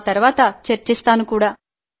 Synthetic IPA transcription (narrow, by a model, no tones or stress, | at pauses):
t̪ɐɾʋaːt̪ɐt͡ʃɐɾt͡ʃist̪aːnukuːɽaː